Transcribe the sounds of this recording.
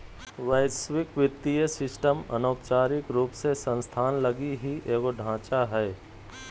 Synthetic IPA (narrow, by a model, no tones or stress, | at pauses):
ʋəjswɪkʋɪt̪ːijəsɪsʈəmɐ̰noːpt͡ʃaːɾɪkɾuːpsesə̃nst̪ʰaːnləɡiɦiʔeːɡoɖʱãːt͡ʃaɦɛː